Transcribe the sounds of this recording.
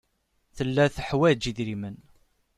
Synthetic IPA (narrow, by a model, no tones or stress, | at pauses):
θəlːæθəħwæd͡ʒiðɾimən